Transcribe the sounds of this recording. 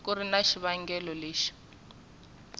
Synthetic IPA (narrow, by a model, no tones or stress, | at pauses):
kuɾinaʃiβaŋɡɛlɔleːʃi̥